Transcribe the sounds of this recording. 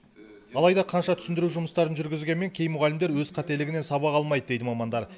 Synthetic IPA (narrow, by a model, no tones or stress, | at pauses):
ɑlˠɑjd̪ɑqʰɑnʃɑt̪ʰʏ̥sɪnd̪ɪɾuʒʊməst̪ɑɾənʒʏɾɡʲɪzɡʲe̞nmeŋkʲʰe̞jmʊʁælɪmd̪eɾwɵzqʰɑt̪e̞lɪɡʲɪne̞nsɑbɑqɑlˠmɑjd̪əd̪ejd̪ɪmɑmɑnd̪ɑɾ